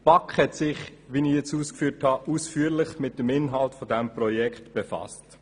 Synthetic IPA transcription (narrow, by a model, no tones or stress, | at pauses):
b̥ɑkχhɛtsɪχʋinɪjɛt͡suːskfyːthɑʔuːsfyːəɾlɪχmɪt̚dəmɪnɦɑltfodɛmpɾɔjɛkχtb̥efɑ̰st